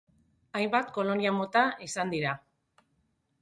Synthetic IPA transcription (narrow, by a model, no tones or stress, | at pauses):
ajmbat̪ko̞lo̞niamo̞t̪aisand̪iɾa